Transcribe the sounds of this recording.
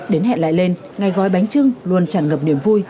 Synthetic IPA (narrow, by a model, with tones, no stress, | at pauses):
ɗe˨˦nɦɛ̰˧˨nla̰ː˧˨jle˧n | ŋa˨˩jɣɔ̰˧˨jɓa˨˦jŋ̟t͡ɕɨ˧ŋlwu˨˩ənt͡ɕaː˧˩nŋə˨˩p̚ni˧˩əmvu˧j